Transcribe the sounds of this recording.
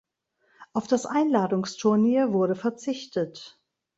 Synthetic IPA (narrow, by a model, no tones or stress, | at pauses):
ʔaʊfd̥asʔaɪnlaːdʊŋstʰʊɐniːɐvʊɐɾəfɛɐt͡sɪçtət